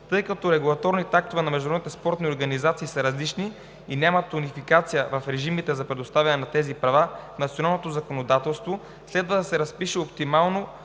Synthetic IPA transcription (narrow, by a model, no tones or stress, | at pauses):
t̪ɤjkɐt̪ɔɾɛɡulˠɐt̪ɔɾnit̪ak̚t̪ovɛnɐmɛʒd̪oɾɔd̪nit̪ɛspɔɾt̪nioɾɡɐnizat̪siːsɐɾɐzlit͡ʃni | inʲamɐt̪unifikat̪sijəvɐfɾɛʒimit̪ɛzɐpɾɛd̪ost̪avʲɐnɛnɐt̪ɛzipɾɐvafnɐt̪sionalˠnot̪ozɐkonod̪at̪ɛlˠst̪vo | slɛd̪vɐd̪ɐsɛɾɐspiʃɛopt̪imalˠno